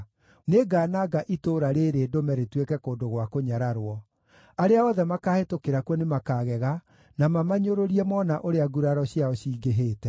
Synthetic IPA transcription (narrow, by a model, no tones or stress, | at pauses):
neɡaːnaɡaʔitoːɾaɾeːɾeːdomɛɾetwekɛkoːndoɣwakoɲaɾaɾwɔ | aɾeaɔðɛmakaːhetokeɾakwɔnemakaːɣɛɣa | namamaɲoɾoɾiɛmɔnaʔoɾeaɡuɾaɾɔɕjaɔɕiːɡeɦeːtɛ